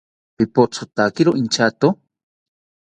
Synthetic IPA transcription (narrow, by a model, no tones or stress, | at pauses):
pipot͡sʰot̪akiɾoʔint͡ʃat̪o